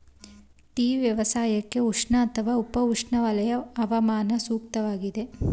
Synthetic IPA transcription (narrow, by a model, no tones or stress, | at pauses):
t̪iːʋjɐʋɐsaːjɐkːe̞uʂɳɐːt̪ʰɐʋaːupɐuʂɳɐʋɐlɐjɐːʋɐmaːnɐsuːk̚t̪ɐʋaːɡid̪e̞